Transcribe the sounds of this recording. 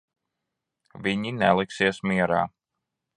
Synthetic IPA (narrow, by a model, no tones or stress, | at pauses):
viɲinɛlˠiksiɛsmiɛɾa̰ː